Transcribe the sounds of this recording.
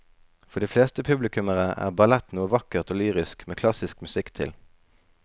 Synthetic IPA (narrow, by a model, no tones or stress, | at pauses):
fɔʁd̪iːfleːst̪əpʰʉblɪkʉməʁəæ̰ːʁbɑlɛt̪nuːəʋɑkəʁt̪oːlyːʁɪskmeːkʰlɑsɪskmʉsɪkt̪ʰɪ̰l